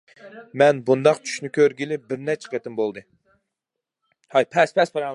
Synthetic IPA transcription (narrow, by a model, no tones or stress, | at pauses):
mɛnbund̪ɑqt͡ʃʰy̥ʃnykʲʰøɾɡʲilɪbɪɾnɛt͡ʃʰːɛ̥qʰet̪ɪmbolˠd̪ɨ | hɑjpʰɛspʰɛspɛɾɑ